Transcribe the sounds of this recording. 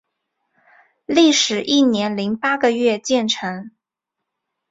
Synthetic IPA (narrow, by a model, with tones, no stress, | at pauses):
li˥˩ʂɻ̩˨˩ʔi˥˩njɛ˧˥nli˧˥ŋpa˥ɡə˧ɥɛ˥˧t͡ɕjɛ˥˩nʈ͡ʂʰɤ˧˥ŋ